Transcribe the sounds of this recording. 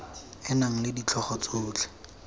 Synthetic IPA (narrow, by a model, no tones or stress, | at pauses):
ɪnaŋ̩lɪdit͡ɬʰɔχɔt͡sʊːt͡ɬʰɛ̥